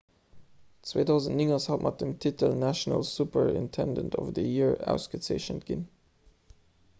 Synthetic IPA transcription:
t͡swḛːtʰaʊzə̃ntniŋəshɛlˠpmat̪̚dəmtʰɪtʰəlnæʃənə̰lˠsupə˞ɪ̰̃ntʰɛ̃ndə̰ntʰɔ̰vəðəjiɹa̰ʊskəsḛɪʃə̃ntɡ̥ɪ̰n

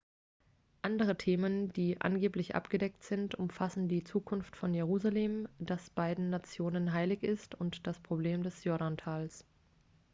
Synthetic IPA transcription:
ʔandəʁ̞ətʰeːmənd̥iːʔa̰nɡeːplɪçʔa̰pɡ̥ədɛk̚tz̥ɪntʊmfasn̩diːt͡suːkʰʊnftfɔnjeʁuːzaleːmd̥asb̥aɪdn̩ːat͡sjoːnənɦaɪlɪçɪstʊntd̥aspʁ̥obleːmdɛsjɔɐɾantʰaːls

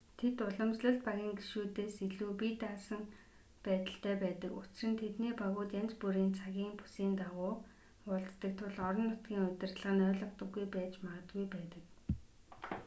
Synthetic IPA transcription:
t̪ʰet̪ʊɮə̆mt͡ɕɮə̆ɬt̪̚paɣʲiːŋɡiʃuːt̪eːsiɮuːpit̪asə̆n | pæːt̪ə̆ɬt̪ʰæːpæːt̪ə̆kʊt͡ɕ̆rɘ̆nt̪ʰet̪niːpaɣʊːt̪jant͡spuɾiːnt͡sʰaɣʲiːŋpu̥siːnt̪awʊː | pʊɮt̪ːə̆k̚t̪ʰʊɮɔɾɞ̆nːʊt̪ɡʲiːŋʊt̪ʲɪ̆rt̪ɮə̆ʁə̆nœːɮɞ̆kt̪ə̆ɡːujpæːt͡ɕmaʁə̆t̪̚ɡujpæːt̪ə̆k

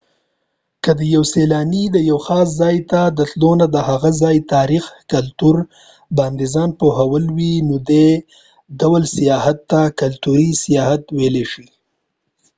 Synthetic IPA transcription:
kəd̪əjawselɑnid̪əjawxɑs̬zɑjt̪ad̪ət̪lonad̪əhaɣazɑjt̪ɑɾixkalt̪uɾ | bɑnd̪izɑnpoɦawəlwinod̪e | ɖawalsijɑhat̪ːakalt̪uɾisijɑhat̪weleʃi

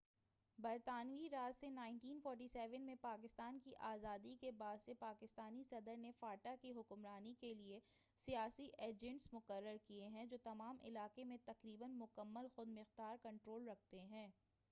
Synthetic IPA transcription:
bɐɾt̪aːnʋiɾaːt̪senaːɪ̃ɳʈiːnfɔːɾʈ̬isɛːʋənmẽpaːkɪst̪aːnkiʔaːzaːd̪ikebaːd̪sepaːkɪst̪aːnisɐd̪əɾnefaːʈakiɦʊkmɾaːnikelie | sijaːsiʔeːd͡ʒɛ̃ɳʈsmʊkəɾːəɾkieɦɛ̃d͡ʒoːt̪ɐmaːmɪ̰laːqemẽt̪ɐqɾiːbənmʊkəmːəlxʊd̪mɪxd̪aːɾkɐ̃ɳʈɾoːlɾɐk̚ʰt̪eɦɛ̃ː

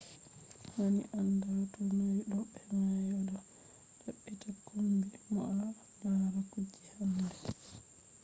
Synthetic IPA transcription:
hanḭʔandawtɔnajɗɔɓɛŋajɔdɔ | ɗaɓːitakumbimɔ̰ʔa | naɾakud͡ʒːihandɛ

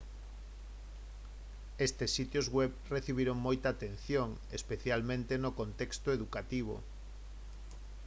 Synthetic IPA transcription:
est̪esːit̪jozɣwɛβreθiβ̞iɾoŋmojt̪aːt̪en̟θjoŋ | espeθjalmẽnt̪enokont̪ɛkst̪oeðukat̪iβ̞o̰

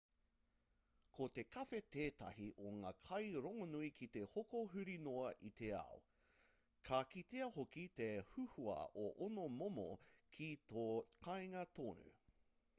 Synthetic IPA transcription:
kʰot̪e̞kʰɐfet̪eːtɐ̰hiʔoŋaːkʰɐjɾoŋonuikʰit̪ehokoɦʉɾinoɐʔit̪ʰeɐ̰o | kʰakit̪eɐhokit̪ehʉhuɐ̰oʔonomomo̰kʰitokʰɐjŋɐt̪oːnʉ̰

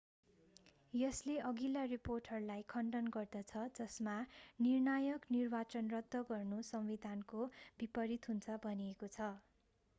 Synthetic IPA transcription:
jʌsleʔʌɡilariporʈʰʌrlajkʰʌɳɖʌnɡʌrd̪ʌt͡sʰʌd͡zʌsmanirnajʌknirbat͡sʌnrʌd̪ʱːʌɡʌrnusʌmwid̪ʱankobipʌɾit̪ɦunt͡sʰʌbʱʌniekot͡sʰʌ

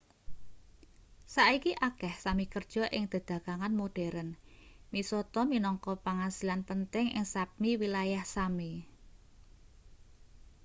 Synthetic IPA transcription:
saʔikiʔakɛhsamikərd̥ʒ̥ɔ̤ʔɪŋd̪̥ə̤d̪̥ä̤kaŋanmoɖ̥ɛɾənmisɔt̪ɔminɔŋkɔpaŋasilanpənt̪ɪŋʔɪ̰ŋsap̚niwilajahsami

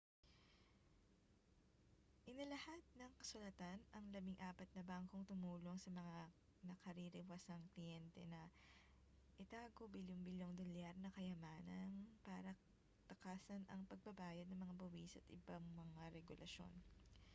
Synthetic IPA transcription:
ʔɪnɐlɐhat̪̚nɐŋkɐsʊlɐt̪anɐŋlɐbɪŋʔaːpɐt̪̚nɐbaŋko̞ŋt̪ʊmuːlo̞ŋsɐmɐŋa | nɐkɐɾiɾɪwasɐŋklɪjɛnt̪ɛ̰nɐ | ʔɪt̪aːɡobiljoŋbɪljoŋd̪oljaɾnɐkɐjɐmaːnɐnpaːɾɐ | t̪ɐkaːsɐnʔɐŋpɐɡ̚bɐbaːjɐd̪nɐŋmɐŋabɐwiːsɐʔɐ̰t̪ʔɪbaŋmɐŋaɾɛɡʊlʔɐʃo̞̰n

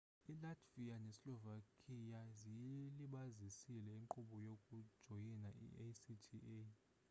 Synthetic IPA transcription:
ilatʰʼvianɛslɔvakʼʰijazijiliɓazisilɛiŋǃuɓɔjokʼud̥ʒ̥ʱojinaḭesitʰie

